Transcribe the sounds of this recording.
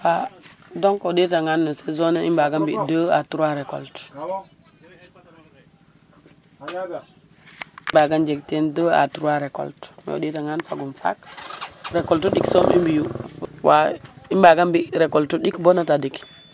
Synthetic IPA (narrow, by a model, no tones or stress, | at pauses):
fadoŋkoditaŋanːusezoneimbaɡambidəːatuɾaɾeko̰lt | imbaɡand͡ʒektendəa̰tuɾuwaɾeko̰ltmḛo̰ditaŋanfaɡunfa̰k | ɾekoltuɗiksomḭmbijuwaimbaɡambiɾekoltuɗikbonatadik